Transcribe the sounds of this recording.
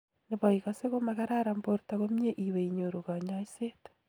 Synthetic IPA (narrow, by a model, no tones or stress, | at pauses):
neβɔiɣaseɣomaɣaɾaɾamboɾtaɣomjeʔiweiɲoɾuɣaɲaisete̥